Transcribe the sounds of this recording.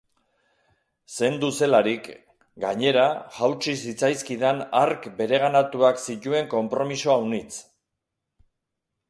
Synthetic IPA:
se̞nd̪use̞laɾik | ɡa̰ɲe̞ɾaʝawt͡sisit͡sajskiðanaɾkbe̞ɾe̞ɣ̞anat̪uaksicue̞ŋko̞mpɾo̞misoawnit͡s

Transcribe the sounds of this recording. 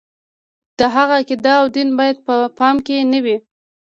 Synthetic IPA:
d̪̥əɦaɣakɪd̪ɑːwd̪inbɑjad̪̚pəpɑmkenəwi

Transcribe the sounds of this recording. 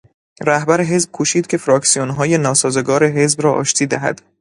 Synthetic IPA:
ɾæhbæɾeɦe̞zb̥̚kʰuːʃiːd̪̚cʰe̞fɾɒːksijonɦɒːje̞nɒːsɒːze̞ɡɒːɾe̞ɦe̞zbɾɒːʔɒ̰ːʃt̪ʰiːd̪æɦæ̰d̪̥

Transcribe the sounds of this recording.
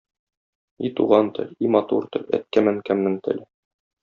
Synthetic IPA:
it̪uʁɑnt̪ɘ̰̆limɑt̪uɾt̪ɘ̰̆læ̰t̪̚kæmæŋkæmnɘŋt̪ʰɘ̰̆l

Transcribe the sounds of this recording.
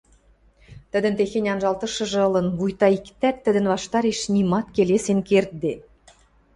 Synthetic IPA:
t̪ə̆d̪ɘ̆nt̪exenʲɑnʒɑlˠt̪ɤ̆ʃɤ̆ʒɤ̆ɤ̆lˠɤ̆nβujt̪ɑikt̪æt̪ːɘ̆d̪ɘ̆nβɑʃt̪ɑɾeʃnimɑt̪kelesenkert̪̚d̪e

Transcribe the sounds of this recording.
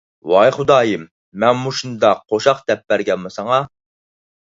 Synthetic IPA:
wɑjχʊd̪ɑːjimː | ɛnmuʃund̪ɑqʰːoʃɑqd̪̥ɛp̚bæɾɡʲɛnmɨsɑŋɑ

